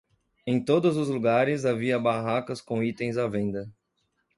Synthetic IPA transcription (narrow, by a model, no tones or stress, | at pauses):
ẽj̃t̪od̪ʊzʊzluɡaɾɪzaviɐbaɦakɐskõit̪ẽj̃zavẽnd̪ɐ